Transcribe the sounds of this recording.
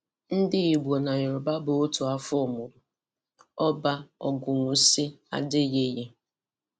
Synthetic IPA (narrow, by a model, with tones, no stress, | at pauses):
n̩˦dɪ˦i˨ɡ͡bʷo˨na˨ɲ˨ɔ˨ba˦bʊ˨o˦tʊ˨a˦fʊ˦ʊ˨mʊ˨ɾʊ˨ | ɔ˦ba˦ɔ˨ɡʊ˨ŋʷʊ˨si˦a̰˨dɪ˦ɣe˦ɣe˦